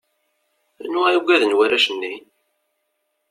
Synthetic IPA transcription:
nuʁæjuɡæðənwæɾæʃənːi

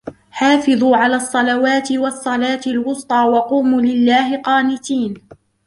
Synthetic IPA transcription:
ħaːfɪðˤuːʕalaːsˤːɑlawaːt̪ɪwɑsˤːɑlaːt̪ɪlwʊst̪ˤɑːwɑquːmuːlɪlːaːhɪqɑːnɪt̪iːn

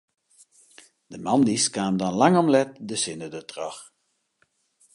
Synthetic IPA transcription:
d̥əmɑndiskaːmndɔnlaŋɔmlɛt̚dəsɪnədətrɔx

